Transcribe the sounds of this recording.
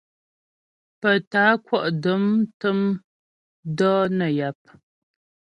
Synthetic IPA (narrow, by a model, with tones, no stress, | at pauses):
pə˨taː˨˦kwɔ˦ʔdə˨˦mtə˦m | dɔː˦nə˨ja˨˦p̚